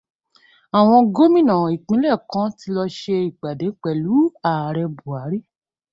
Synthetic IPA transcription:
a˨w̃ɔ̃˧ɡo˦mĩ˦˨nã˨i˨k͡pĩ˨˦lɛ˦˨kã˨˦ti˧˦lɔ˧ʃe˧i˨ɡ͡ba˨de˨˦k͡pɛ˨˦lu˨˦a˨ɾɛ˧bu˨a˨˦ɾi˦

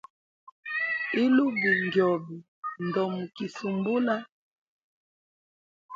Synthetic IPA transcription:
i˦lu˦bi˨ŋɡjɔ˨bi˨ | ndɔ˨mu˨ki˨su˨mbu˦la˦

